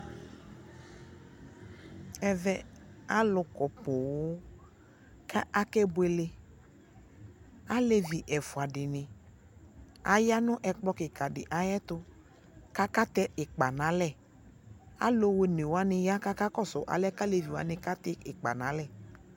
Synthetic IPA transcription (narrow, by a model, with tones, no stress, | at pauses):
ɛ˨vɛ˦a˦lʊ˨kɔ˨po˨wʊ˦ | ka˦a˦kɛ˦bʊ˦e˨le˨ | a˦le˦vi˨ʔɛ˨fʊ˨a˨ɖɪ˨nɪ̃˨ | a˨ja˦nʊ̃˦ʔɛ˨k͡plɔ˦kɪ˨ka˨ɖɪ̰˨ʔa˨jɛ˦t̪ʊ˦ | ka˦ka˦t̪ɛ˦ʔɪ˨k͡pa˨nã˨˦lɛ˦˨ | a̰˦lo˦we˦ne˨wo˦a˦nɪ̃˨ja˦ka˦ka˦kɔ˦sʊ˨ʔa̰˨lɛ˦ka˦le˨vi˨wa̰˨˦nɪ̃˨ka˦t̪ɛ˦ɪ˨k͡pa̰˨nã˨˦lɛ˦˨